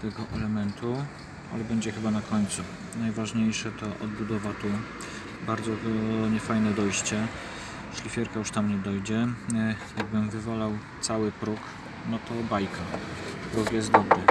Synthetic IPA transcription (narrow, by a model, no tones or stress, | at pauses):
t̪ɛɡɔʔɛlɛmɛnt̪ʰu | a̰lɛbɛɲd͡ʑɛxɘbanakʰɔɲt̪su | najvaʐɲejʂɛt̪ɔʔɔd̪̚bud̪ɔvat̪u | baɾd̪zɔt̪ɔɲɛfajnɛd̪ɔjɕt͡ɕɛ | ʂlʲifʲjɛɾkajuʂt̪amɲɛd̪ɔjd͡ʑɛ | jaɡ̚bɘmvɘvɔlawt̪sawɘpɾuk | nɔt̪ɔbajkapɾukjɛst̪d̪ɔbɾɘ